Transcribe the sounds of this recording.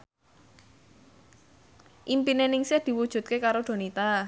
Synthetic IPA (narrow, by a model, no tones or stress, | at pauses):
ʔimpinenɪŋsɪhd̪̥i̤wud̥ʒ̥ṳt̪̚kekaɾod̪̥o̤nit̪a